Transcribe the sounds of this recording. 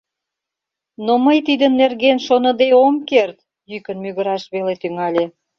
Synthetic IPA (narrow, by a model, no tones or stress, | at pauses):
noməjt̪id̪ənːerɣenʃonə̆d̪eomkert̪ | jykə̆nmyɣəɾɑʃβelet̪yŋɑlʲe